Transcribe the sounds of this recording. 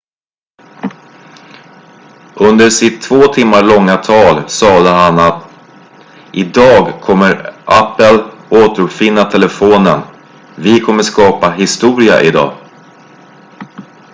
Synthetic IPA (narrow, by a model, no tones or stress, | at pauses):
ʔɵnd̪əʂɪt̪ʰːvoːt̪ʰɪmːaɭɔŋːat̪ʰɑːlsɑːd̪əɦanat̪ | ʔɪd̪ɑːɡkʰɔmːəɾʔapːəloːt̪əɾɵpfɪnːat̪ʰɛləfoːnə̰n | vɪkʰɔmːəʂkɑːpaɦɪst̪uːɾɪa̰ʔɪd̪ɑ̰ː